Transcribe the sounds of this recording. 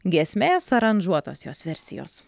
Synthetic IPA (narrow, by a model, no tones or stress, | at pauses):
ɡʲiːsʲmʲeːsɐɾɐnʲʒuɔt̪o̰ːsjoːsʋʲɛɾʲsʲɪ̰jo̰ːs